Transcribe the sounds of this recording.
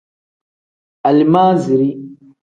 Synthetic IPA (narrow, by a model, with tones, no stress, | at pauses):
a˨li˨ma˦zi˨ɾi˦